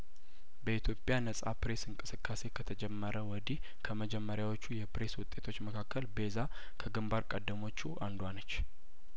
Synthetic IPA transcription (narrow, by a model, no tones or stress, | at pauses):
bəit̪ʰjo̞pʼjanəsʼapɾe̞sɨŋkʼɨsɨkʰʼːase̞kʰət̪ʰəd͡ʒɛmːəɾəwɔd̪ih | kʰəməd͡ʒɛmːəɾjawot͡ʃːujɛpɾe̞swʊt̪ʼe̞t̪ʰo̞t͡ʃːməkʰakʰːəlbe̞za | kʰəɡɨmbaɾkʼəd̪ːəmo̞t͡ʃːuʔand̪wanət͡ʃː